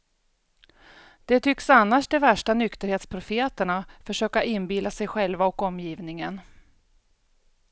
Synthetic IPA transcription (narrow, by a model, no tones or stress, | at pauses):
d̪̥ɛt̪ʰʏksanːaʂd̪ɛvæʂʈanʏkt̪əɾheːt̪spʰɾʊfeːt̪əɳafœʂøːkaʔɪnbilːasɛjɧɛlvaɔkɔmːjiːvnɪŋən